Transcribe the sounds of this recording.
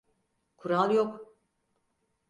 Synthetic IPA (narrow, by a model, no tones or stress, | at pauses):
kʰuɾalˠjok